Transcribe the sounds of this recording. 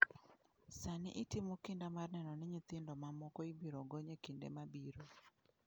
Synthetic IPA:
sanɪ̰ʔitɪmokɪndamarnɛnɔnɪɲɪt̪ɪndɔmamɔkɔibiɾoɡɔɲekindḛmabiɾo

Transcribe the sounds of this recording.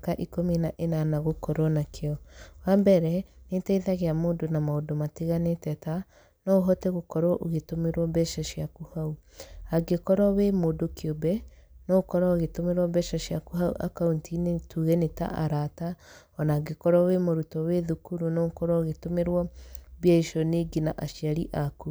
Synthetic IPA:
kaʔikominaʔenanaɣokɔɾɔnakʰeɔwambɛɾɛnetaiðaɣeamoːndonamaodomateɣanetɛta | nɔoɦɔtɛɣokɔɾɔʔoɣetomeɾwɔbɛʃaʃiakuhauaɡekɔɾɔwemoːdokeobɛnɔɣokɔɾɔɣetomeɾwɔbɛʃaʃjakuɦaṵʔakauntʰinetuɣɛneta̰ʔaɾata | ɔnaɡekɔɾɔwemoɾutɔweðukuɾunɔɣokɔɾɔoɣetomeɾwɔbjaiʃɔneɡinaʔaʃiaɾḭʔaku

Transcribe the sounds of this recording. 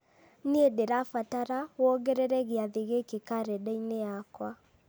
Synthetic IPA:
needeɾafataɾawɔɣɛɾɛɾɛɣeaðeɣekekaɾɛdɛineakwa

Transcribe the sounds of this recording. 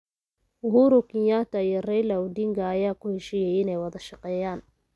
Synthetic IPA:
ɦuːɾʊkɪɲat̪ɐijɔrɛjlɐʊd̪iŋɡɐːjaːkʊhɛʃɪjɛjɪnɛjwɐðɐʃɑqɛːjaːn

